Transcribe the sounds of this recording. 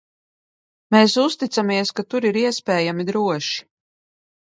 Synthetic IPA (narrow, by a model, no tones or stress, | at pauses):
meːsust̪it̪samiɛskat̪uɾiɾiɛspʲɛːjamid̪ɾuɔʃi̥